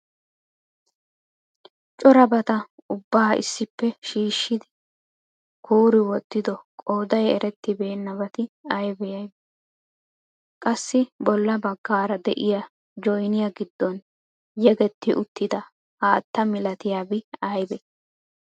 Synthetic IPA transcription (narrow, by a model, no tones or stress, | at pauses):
t͡ʃʼɔɾɐbɐt̪ɐ | ʊbːaːɪ̰sːɪpːɛʃiːʃːɪd̪ɪ | kʰuːɾɪwɔt̪ːɪd̪ɔkʼoːd̪ɐjɛɾɛt̪ːɪbe̞ːnːɐβɐt̪ɪɐjbɛjɐjb | kʼɐsːɪbɔlːɐbɐɡːaːɾɐd̪ɛʔɪjɐ | d͡ʒɔjnɪjɐɡɪd̪ːɔn | jɛɡɛt̪ːɪʔʊt̪ːɪd̪ɐ | haːt̪ːɐmɪlɐt̪ɪjaːbɪɐjbɛ